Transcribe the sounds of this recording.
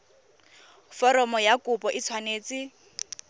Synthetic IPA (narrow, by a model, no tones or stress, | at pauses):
fɔɾɔmɔjakʼʊpʼɔʔɪt͡sʰwaneːt͡sɪ